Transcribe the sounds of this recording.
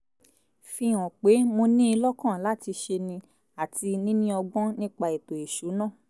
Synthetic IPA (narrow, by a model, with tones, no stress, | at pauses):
fĩ˧ɔ̃˨k͡pe˨˦mo˧nĩ˦i˧lɔ˦kã˦˨la˦ti˧ʃe˧nĩ˧ | a˨ti˧nĩ˦nĩ˦ɔ˧ɡ͡bɔ̃˦nĩ˦k͡pa˧e˨to˨e˨ʃu˨˦nãː˦˨